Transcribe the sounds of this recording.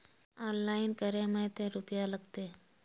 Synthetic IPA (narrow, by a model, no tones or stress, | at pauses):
ɔːnlaːɪnkəɾẽmɛ̃t̪eɾʊpjalɐɡt̪e